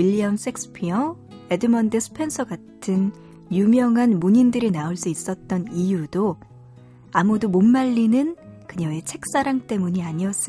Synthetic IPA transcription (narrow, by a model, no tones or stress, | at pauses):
wiʎiams͈ek̚s͈ʰɯ̥pʰiʌ | e̞dɯmʌndɯsʰɯ̥pʰe̞nsʰʌɡatʰɯn | jumjʌŋɦanmuɲindɯɾinauɭs͈uis͈ʌt̚t͈ʌnijudo | amudomonmaʎːinɯnkɯɲʌe̞t͡ɕʰe̞k̚s͈aɾaŋt͈e̞muɲiaɲiʌs͈ʌ